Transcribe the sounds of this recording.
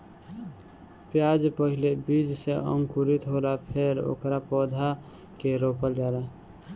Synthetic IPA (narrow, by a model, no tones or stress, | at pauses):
pjad͡ʒpəɦɪlebid͡ʒseə̰̃ŋkuɾit̪ɦolapʰeɾo̰ːkɾapɔːd̪ʱa | keɾopəld͡ʒaːla